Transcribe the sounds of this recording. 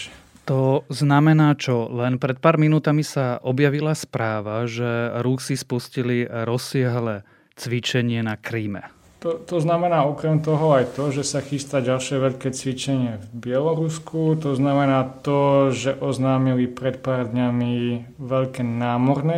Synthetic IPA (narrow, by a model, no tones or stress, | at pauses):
t̪ɔznamɛnaːt͡ʃɔlɛnpɾɛt̪̚paːɾminuːt̪amisaʔɔbjaʋilaspɾaːʋaʒɛɾuxsispusciliɾɔsːɪaɦlɛː | t͡sʋit͡ʃɛɲɪɛnakɾiːmɛ̰ | t̪ɔt̪ɔznamɛnaːɔkɾɛmt̪ɔɦɔajt̪ɔʒɛsaxist̪aɟalʃɪɛʋɛʎkɛːt͡sʋit͡ʃɛɲɪɛvbɪɛlɔɾuskut̪ɔznamɛnaːt̪ɔʒɛʔɔznaːmilipɾɛt̪̚paːɾd̪ɲamiʋɛʎkɛːnaːmɔɾnɛ